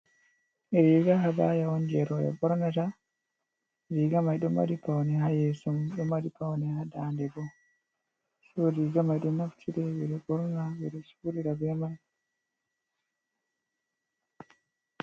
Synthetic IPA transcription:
ʔɛɾiɡahabajawɔnd͡ʒɛɾɔjɔ̰bɔɾnata | ɾiɡamajɗɔma̰dipawnɛhajɛsɔmɗɔmadipawnɛhadandɛbɔ | sɔdiɡamajɗɔnaftʰiɾɛwiɾɛbɔɾnawiɗɔsuɾiɾabɛmaj

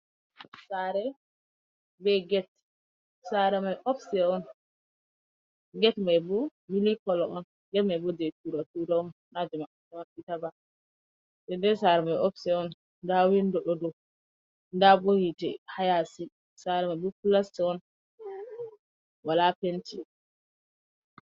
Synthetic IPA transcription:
saɾɛ | bɛɡɛt̚ | saɾɛmajʔɔfsɛɔn | ɡɛtmajbɔmilikɔlɔɔn | ɡɛtmajbɔd͡ʒɛtuɾatudaɔnːad͡ʒɛma | ɛmakːitaba | sɛndɛsaɾɛmajɔfsɛɔn | ndawindɔɗɔdɔ | ndabohitɛ̰hajasi | saɾɛmajbɔkulastɛɔn | walapenti

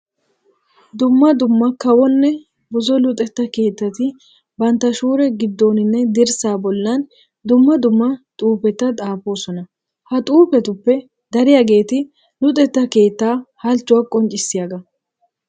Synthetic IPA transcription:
d̪ʊmːɐd̪ʊmːɐkɐwɔnːɛ | bʊzɔlʊt̪ʼɛt̪ːɐke̞ːt̪ːɐt̪ɪ | bɐnt̪ːɐʃuːɾɛɡɪd̪ːo̞ːnɪnːɛd̪ɪɾsaːbɔlːɐn | d̪ʊmːɐd̪ʊmːɐt̪ʼuːpɛt̪ːɐt̪ʼaːfo̞ːsɔnɐ | hɐt̪ʼuːpɛt̪ʊpːɛ | d̪ɐɾɪjɐɡe̞ːt̪ɪ | lʊt̪ʼɛt̪ːɐke̞ːt̪ːaːhɐlt͡ʃːʊwɐkʼɔnt͡ʃʼɪsːɪjaɡɐ

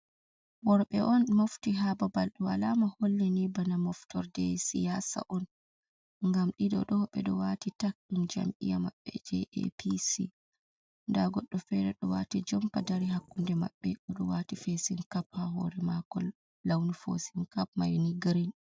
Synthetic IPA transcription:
wɔɾɓɛʔɔnmoftiɦababalɗuwalamaholːɛnibanamɔftɔɾdɛ̰sijasa̰ʔɔn | ŋɡamɗiɗɔ̰ɗɔɓɛɗɔwatitak̚ɗumd͡ʒa̰mʔḭjamaɓːɛd͡ʒɛ̰ʔɛ̰pʰisi | ndaɡɔɗːɔfɛɾɛɗɔwatid͡ʒɔmpadaɾiɦakːundɛma̰ɓːɛʔɔɗɔwatifesinkaphaɦɔ̰ɾɛmakɔlː | awnifo̰sinkap̚majniɡɾin

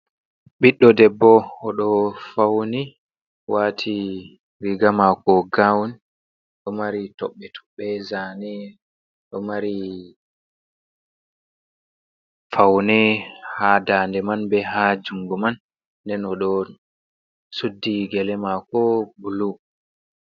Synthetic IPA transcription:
ɓiɗːɔdɛbːɔːɗɔfawni | watʰi | ɾiɡamakɔɡawni | ɗɔmaɾitɔɓːɛtʰɔ̥ɓːɛzanɛ | ɗɔmaɾi | fawnɛhadaːndɛmanbɛɦad͡ʒuŋɡɔmanː | dɛnɔɗɔ | sudːiɡɛlɛmakɔbulu

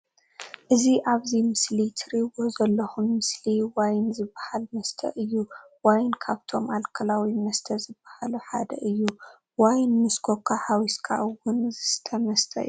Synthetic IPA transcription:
ʔɨziʔaβzimɨslit̪ʰɨɾiwo̞zɐlːɐxunmɨsliwajnzɨbːahalmɐst̪ʰɐ̰ʔɨjːu | wajnkʰaβt̪ʰo̞mʔalkʰɐlawimɐst̪ʰɐzɨb̥ːahaluħad̪ɐ̰ʔɨjːu | wajnmɨskʰokʰahawiskʰa̰ʔwʊnzɨst̪ʰɐmɐst̪ʰɐ̰ʔɨ̰ju

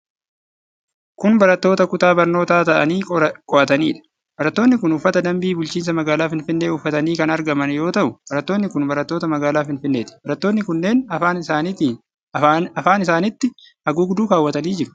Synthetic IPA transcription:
kʊnbɐɾɐt̪ːo̞ːt̪ɐkʊt̪aːbɐɾno̞ːt̪aːt̪ɐʔɐniːkʼɔʔɐt̪ɐniːᶑɐ̥ | b̥ɐɾɐt̪ːo̞ːnːɪkʊnʊfːɐt̪ɐd̪ɐmbiːbʊlt͡ʃiːns̬ɐmɐɡaːlaːfɪnfɪnːe̞ːʊfːɐt̪ɐniːkɐnɐɾɡɐmɐnjo̞ːt̪ɐʔʊb̥ɐɾɐt̪ːoːnːɪkʊnbɐɾɐt̪ːo̞ːt̪ɐmɐɡaːlaːfɪnfɪnːe̞ːt̪ɪ̥bɐɾɐt̪ːo̞ːnːɪkʊnːe̞ːnɐaːnaːnt̪ː | ɐfaːnɪsaːnɪt̪ːɪ | ɐɡuːɡd̪uːkaːwːɐt̪ɐniːd͡ʒɪɾʊ̥

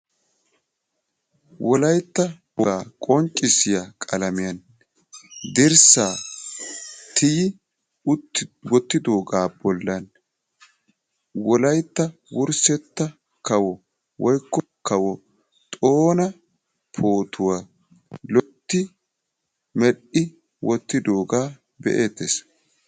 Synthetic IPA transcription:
wɔlɐjt̪ːɐbɔaːkʼɔnt͡ʃʼːɪsɪjakʼɐlɐmɪjɐn | d̪ɪɾsaː | t̪ʰɪjɪ | ʊwɔt̪ːɪd̪oːɡaːbɔlːɐn | wɔlɐjt̪ːɐwʊɾsɛt̪ːɐ | kɐwɔ | wɔjkːɔ | kɐwɔ | t̪ʼoːnɐ | pʰoːt̪ʰʊwa | lɔt̪ːɪ | mɛɗɪ | wɔt̪ːɪd̪o̞ːɡaː | bɛ̰ʔeːt̪ːes

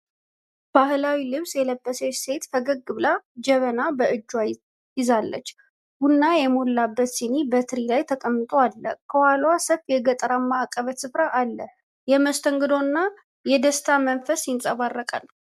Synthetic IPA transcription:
b̥ahlawilɨβsjɛləbːəsəse̞t̪fəɡəɡɨβlad͡ʒɛβənabəʔɨd͡ʒːwaj | jɪzalːə̰t͡ʃː | ɡunːajɛmolːabːət̪sinibət̪ʰɨɾilajt̪ʰəkʼəmːɨt̪ʼoalːəkʰəwalwasəfjɛɡət̪ʼəɾamːaːkʼəβət̪sɨfɾaʔalːəh | jɛməst̪ʰəŋɡɨd̪o̞nːa | jɛd̪əst̪ʰamənfəsjɪnsʼəβarːəkʼə̰n

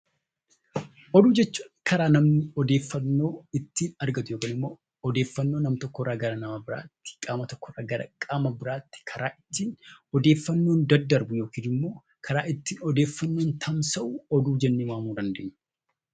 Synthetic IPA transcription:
ʔɔd̪uːd͡ʒɛt͡ʃːuːnkʰɐɾaːnɐmnɪɔd̪e̞ːfːɐnːo̞ːɪt̪ːiːnɐɾɡɐt̪ʊjoːkɐːnɪmːo̞ː | ɔd̪e̞ːfːɐnːo̞ːnɐmt̪ɔkːɔrːaːɡɐɾanɐmaːbɪɾa̰ːt̪ːɪ̥kʼaːmɐt̪ɔkːɔraːɡɐkʼaːmɐbɪɾaːt̪ːɪ̥kʰɐɾʔaːʔɪt̪ːiːnɔd̪e̞ːfːɐnːond̪ɐd̪ːɐɾbʊjo̞ːkiːnɪmːo̞ː | kʰɐɾaːʔɪt̪ːiːnɔd̪eːfːɐnːo̞ːnt̪ʰɐmsɐʔuːɔd̪uːd͡ʒɛnːeːwaːmuːd̪ɐnd̪ḛːɲːʊ̥

